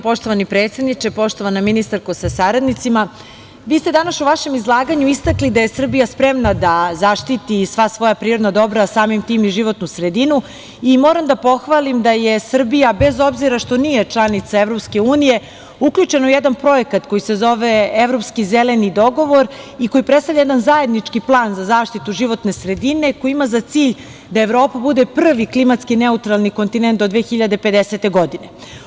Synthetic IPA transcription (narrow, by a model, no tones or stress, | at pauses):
po̞ʃt̪oʋanipɾet̪sed̪nit͡ʃepo̞ʃt̪o̞ʋanaminist̪aɾkosasaɾad̪nit̪sima | ʋiːst̪e̞d̪anaʃuʋaʃe̞mizlˠaːɡaɲuist̪aklid̪aje̞sr̩bijaspɾe̞mnad̪azaʃt̪it̪isʋasʋo̞japɾiːɾo̞d̪nad̪o̞bɾasaːmimt̪iːmiʒiʋo̞t̪nusɾed̪inu | imo̞ːɾamd̪apo̞xʋaːlimd̪ajesr̩bijabe̞zo̞bziɾaʃt̪o̞niːjet͡ʃlˠanit̪saevɾo̞pske̞uːnije̞ | ukʎut͡ʃe̞noujed̪anpɾo̞je̞kat̪ko̞jise̞zo̞ʋeeʋɾo̞pskizele̞nid̪o̞ɡo̞ʋo̞ɾ | iko̞jipɾest̪avʎʲajed̪anzae̞d̪nit͡ʃkiplˠaːnzazaːʂt̪it̪uʒiʋo̞t̪ne̞sɾe̞d̪ine̞ko̞jiimazat̪siːʎ | d̪aevɾo̞ːpabud̪e̞pr̩ʋiklimat̪skineut̪ɾalˠnikont̪inent̪d̪od̪ʋeːxiʎad̪e̞pe̞d̪eset̪e̞ɡo̞d̪ine̞